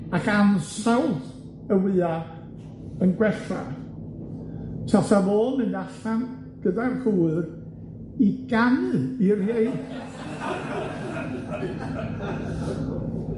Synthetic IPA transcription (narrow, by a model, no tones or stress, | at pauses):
akansawd | əwɨːa | ənɡwɛɬa̰ | tʰasavoːlˠmɨnaɬan | ɡ̥ədarkʰuːɨr | iɡanɨirjej